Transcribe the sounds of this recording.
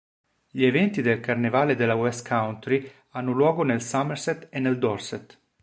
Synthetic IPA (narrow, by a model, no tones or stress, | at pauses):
ʎievɛnt̪id̪elkarnevaːled̪elawɛskʰawnt̪ɾi | anːʊlwɔːɡonelsamːeɾsɛt̪enːeld̪ɔrsɛt̪